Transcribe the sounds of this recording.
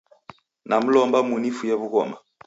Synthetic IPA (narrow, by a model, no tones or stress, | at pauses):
namulɔmbamunifujabukɔ̰ma